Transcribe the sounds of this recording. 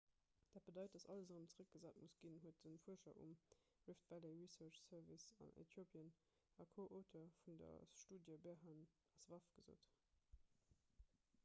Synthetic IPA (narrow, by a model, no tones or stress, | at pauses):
d̥aːt̚b̥ədɑɪt̚d̥ɑsɑləsʁəmt͡səʁək̚ɡ̥əzaːtmusɡ̥inɦuət̚dənfuɐʃɐ̰ʔṵm | ɹiftvæleɹisɜt͡ʃsɜvisɑ̰nʔḛtʰjopʰiən | ɑkʰoːʔotʰɐfundɐ̰ʃtuːdjəbɛɐɦan | ɑsvɑfɡ̥əzo̰ːt